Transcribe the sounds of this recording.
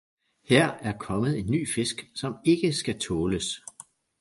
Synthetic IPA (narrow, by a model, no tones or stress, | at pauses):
heɐ̰æɐkʰɒ̽məð̞̩ˠe̝nːy̰ːfe̝sɡ̥sɒ̽me̝ɡ̥əsɡ̥æt͡sʰɔːləs